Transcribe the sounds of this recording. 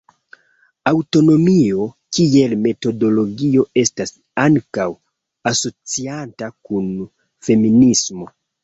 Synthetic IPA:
awto̞no̞mio̞ | kie̞lme̞to̞do̞lo̞ɡio̞e̞stas | aŋkaw | aso̞t͡siantakun | fe̞minismo̞

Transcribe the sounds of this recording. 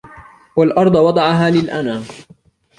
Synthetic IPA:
walʔɑɾˤd̪ˤɑwɑd̪ˤɑʕɑɦaːlɪlʔanaː

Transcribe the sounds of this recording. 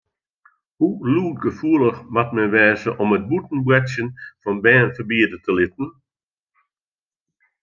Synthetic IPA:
huluːtɡəfuəlˠəxmatmɛnʋɛːzəʔɔmət̚butn̩brɛsjənfɔnbɛːnfəbiədətʰəlɪt̚ən̩

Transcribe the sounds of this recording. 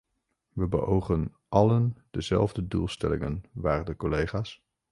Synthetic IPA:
ʋəbəʔowχən | ʔɑlənd̥əzɛ̰lˠvdədulˠstɛ̰lɪ̰ŋənʋaːrdəkolejχaːs

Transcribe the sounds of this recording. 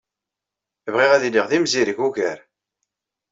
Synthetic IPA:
vʁiʁæðilːiʁðimziɾəʝuʝæɾ

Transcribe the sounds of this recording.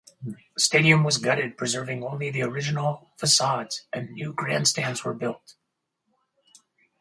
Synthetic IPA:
steɪɾiɨ̃mwʌzɡʌɾɨd̚pʰɹ̥ɨzɜ˞vɪ̃ŋõʊ̃nliðiə˞ɪd͡ʒɨnl̩ˠfɨsɑdz̥ʔɨ̃nːjʉɡɹæ̃ndstæ̃nzwə˞bɪlˠt̚

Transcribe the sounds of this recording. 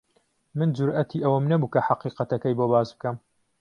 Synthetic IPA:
mɨnd͡ʒʊɾʔɐt̪ʰiʔɐwɐmnɐbuːkɐħɑqiːqɐt̪ɐkɐjbobaːzbɨkɐm

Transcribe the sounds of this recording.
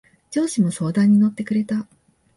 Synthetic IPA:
d͡ʑo̞ːɕimo̞so̞ːd̪ãɲ̟ːino̞t̪ːe̞kɯ̟ɾe̞t̪a

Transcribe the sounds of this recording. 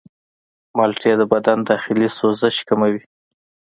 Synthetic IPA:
mɑlʈed̪əbad̪and̪ɑxɪlisozəʃkamawi

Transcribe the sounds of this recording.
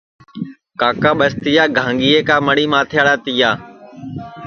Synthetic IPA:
kaːkaːɓəst̪iːjaːɡʱãːŋɡiːeːkaːməɽiːmãːt̪ʰjaːɽaːt̪ijaː

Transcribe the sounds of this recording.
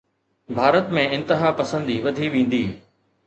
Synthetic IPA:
bʱaːɾət̪mẽɪ̃nt̪əɦapɐsə̃nd̪iʋɐd̪ʱiʋẽːn̆d̪iː

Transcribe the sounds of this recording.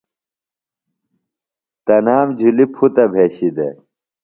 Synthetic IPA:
t̪ɐnaːmd͡ʑʱulipʰut̪ɐbʱeːɕid̪ḛ

